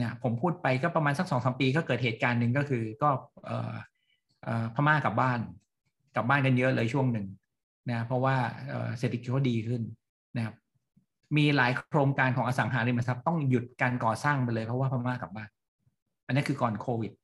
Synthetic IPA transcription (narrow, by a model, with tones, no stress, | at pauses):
na˥˩pʰo˩˦mpʰuː˥˩t̪̚pa˧jkɔː˥˩pɾa˧maː˧nsa˦˥k̚sɔː˨˦ŋsʰa˩˦mpiː˧kɔ˥˩kɤː˨˩t̪̚heː˨˩t̪̚kaː˧nːɯ˨˩ŋkɔː˥˩kʰɯː˧kɔː˥˩ʔɤ̰ː˨˩ | ʔɤː˨˩pʰa˧maː˥˩ka˨˩p̚baː˥˩n | ka˨˩p̚baː˥˩nk̬a˧njɤ˦˥ʔlɤː˧jt͡ɕʰu˥˩əŋnɯ˨˩ŋ | na˦˥a˥pʰɾɔ˦˥waː˥˩ʔɤ̰ː˨˩se˨˩t̪ʰa˧ki˨˩t̚kɔː˥˩diː˧kʰɯ˥˩n | na˦kʰa˦˥p̚ | miː˧laː˩˦jkʰɾoː˧ŋkaː˧nkʰɔː˩˦ʔaː˧sa˩˦ŋɦaː˩˦ɾi˧ma˧sa˦˥p̚t̪ɔ˥˩ŋju˨˩t̪̚kaː˧nkɔː˨˩saː˥˩ŋpa˧jlɤː˧jpʰɾɔ˦˥waː˥˩pʰa˧maː˥˩ka˨˩baː˥˩n | ʔa˧nː˦˥nkʰɯː˧kɔː˨˩nkʰoː˧wi˨˩t̪̚